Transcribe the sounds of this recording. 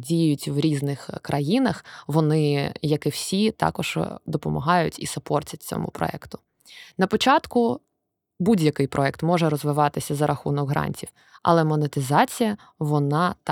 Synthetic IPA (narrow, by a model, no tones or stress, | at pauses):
dʲijjʊtʲʋɾʲiznɪxkɾʔɐjinɐxʋɔnɪjɐkɪwsʲit̪ɑ̰kɔʒ̥d̪ɔpɔmɐ̰ɦɑjʊtʲḭsɐpɔrtʲɐtʲt͡sʲɔ̰mʊ̰pɾɔ̰ɛ̰kt̪ʊ̥ | nɐpɔt͡ʃɑt̪kʊ | budʲjɐkɪjpɾʔɔɛkt̪mɔʒɛɾɔzʋɪʋɑt̪ɪsʲɐzɐɾʔɐxunɔɡɦɾɑ̰nʲtʲiw | ɐ̰lˠɛmɔnet̪ɪzɑt͡sʲijɐ | ʋɔnɑt̪